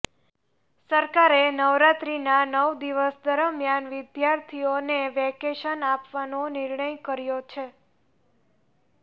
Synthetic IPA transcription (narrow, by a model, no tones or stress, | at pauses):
səɾkaɾenəʋɾat̪ɾinanəʋd̪iʋəsd̪əɾəmjanʋɪd̪jaɾt̪ʰioneʋɛkeʃənapʋanonɪɾɳəjkəɾjot͡ʃʰe